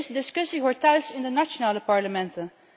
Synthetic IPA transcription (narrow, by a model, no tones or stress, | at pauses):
sdɪskəsihɔɹtɛlsɪ̃ndənaʃənaləpɑɹləmɛ̃ntə